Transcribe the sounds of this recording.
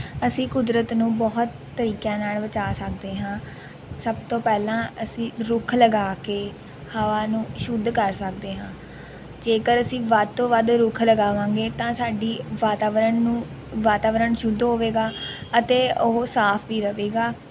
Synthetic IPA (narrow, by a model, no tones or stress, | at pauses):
əsĩːkʊd̪ɾət̪nũːbɔɦt̪ːəɾiːkjãːnaːlʋət͡ʃaːsək̚d̪eːɦãː | səb̚t̪õːpɛːlãːəsĩːɾʊkʰləɡaːkeː | haːʋaːnũːʃʊd̪kəɾsəkd̪eːɦãː | d͡ʒeːkəɾəsĩːʋəd̪̚t̪õːʋəd̪ɾʊkʰləɡaːʋãːŋɡeːt̪ãːsaːɖiːʋaːt̪aːʋəɾəɳnũː | ʋaːt̪aːʋəɾəɳʃʊd̪ɦoːʋeːɡaːət̪eːʊɦsaːpʰʋiːɾəʋeːɡaː